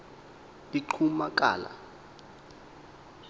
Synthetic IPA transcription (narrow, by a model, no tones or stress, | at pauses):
biǃʰumakʼa̰ːla̰